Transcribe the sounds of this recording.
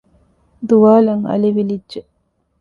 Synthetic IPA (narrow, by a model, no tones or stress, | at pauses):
d̪uʋaːlɐŋɐ̰liʋilidːʒe